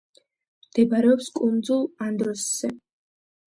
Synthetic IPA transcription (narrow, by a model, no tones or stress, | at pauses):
md̪̥ɛbɾɛɔpskʼund̪zulˠand̪ɾɔsːɛ